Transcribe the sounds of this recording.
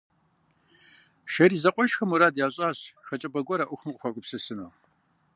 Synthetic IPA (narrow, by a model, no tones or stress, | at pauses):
ʃɐɾizɐqʷʼɔʃxɐmuɾaːdjaːɕʼaːɕxɐt͡ʃʼɐbɐɡʷʼɔɾaʔʷʊxəmqʷʼxʷakʷʼʊpsɨsɨno